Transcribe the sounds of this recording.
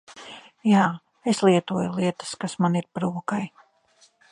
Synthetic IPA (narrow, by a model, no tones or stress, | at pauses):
jaː | eslˠiɛt̪uɔjulˠiɛt̪ə̥skasmaniɾpɾuɔkaj